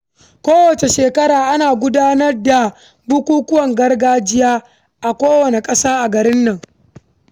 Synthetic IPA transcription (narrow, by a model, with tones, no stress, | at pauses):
kʷoː˦wɐ˨t͡ʃe˨ʃeː˨kɐ˦ɾaː˨ʔa˦naː˨ɡʷʊ˦daː˦nɐ˦rda˨ | bʊ˦kʷuː˦kʷʊ˦wɐ˨ŋɡɐ˦rɡaː˦d͡ʒɪ˦jaː˦ | ʔa˨kʷoː˦wɐ˨ne˨kʼɐ˦saː˦ʔa˨ɡɐ˨ɾɪ˦nːɐ˨ŋ